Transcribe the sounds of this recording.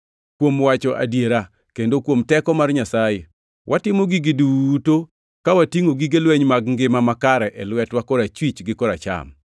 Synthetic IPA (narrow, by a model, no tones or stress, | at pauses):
kwomwat͡ʃɔʔa̰djeɾa | kendokwomtɛkɔmarɲasaje | wʔatɪmoɡiɡɪduto | kawatiŋoɡiɡelweɲmaɡŋɡɪmamakaɾɛʔɛlwɛtwakɔɾat͡ʃwit͡ʃɡɪkɔɾa̰t͡ʃa̰m